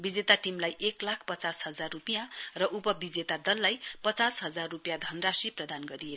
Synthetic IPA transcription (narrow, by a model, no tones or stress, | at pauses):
bid͡zet̪aʈimlajʔeklakʰpʌt͡sasɦʌd͡zarrupijãrʌʔupʌbid͡zet̪ad̪ʌlːajpʌt͡sasɦʌd͡zarːupjad̪ʱʌnrasiprʌd̪anɡʌɾije